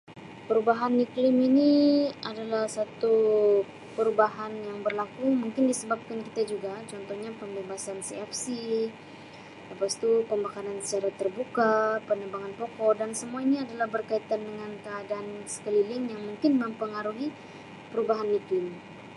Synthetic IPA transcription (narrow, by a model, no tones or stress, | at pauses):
pəɾubaɦanːiklɪminiadalahsat̪u | pəɾubaɦanjaŋbərlakumuŋkɪndisəbap̚kankit̪ad͡ʒuɡat͡ʃɔnt̪ɔhɲapəmbebasansiɛfsi | ləpast̪upəmbakaɾansə̥t͡ʃaɾat̪ərbukapənəbaŋanpɔkɔdansəmuainiadalahbərkait̪andəŋankəadaːnsə̥kəlilɪŋjaŋmuŋkɪnməmpəŋaɾuɦi | pəɾubaɦanːiklɪm